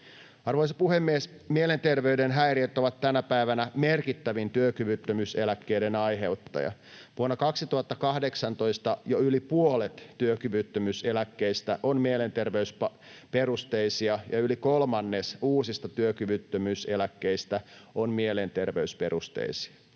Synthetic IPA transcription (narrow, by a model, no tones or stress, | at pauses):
ɑrʋoijsɑpuhemːies | mielent̪erʋeydenɦæiriet̪ːoʋɑt̪tænæpæiʋænæmerkit̪ːæʋint̪yøkyʋyt̪ːømyselækːeidenɑjɦe̞ut̪ːɑ̰jɑ̰ | ʋuonːɑkɑksit̪uhɑt̪ːɑkɑhdeksɑnt̪o̞ist̪ɑjoylipuolet̪ːyøkyʋyt̪ːømyselækːeist̪æʔonmielent̪erʋeyspɑ | peɾust̪eisiɑjɑylikolmɑnːesuːsist̪ɑt̪yøkyʋyt̪ːømyselækːeist̪æonmiele̞nt̪erʋeyspe̞ɾust̪ḛisi̥ɑ